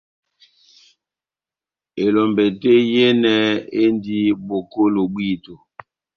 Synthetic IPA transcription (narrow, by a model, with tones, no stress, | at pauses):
e˨lɔ˨mbɛ˨te˦je˦nɛ˨e˦ndi˦bo˨ko˦lo˨ɓwi˦˨to˨